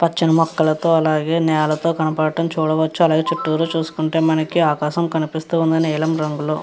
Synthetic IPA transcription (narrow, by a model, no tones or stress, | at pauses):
pɐt͡ʃːinɐmɔkːɐlɐt̪o̞ːɐlaːɡe̞ːnɛːɐlɐt̪o̞ːkɐnɐpɐɽɐʈɐmt͡ʃuːɽɐʋɐt͡ʃːuɐlaːɡeːt͡ʃuʈːuːɾut͡ʃuːsu̥kuɳʈe̞ːmɐnɐkiaːkaːʃɐmkɐnipist̪uːund̪ɐnɛːlɐmɾɐŋɡuloː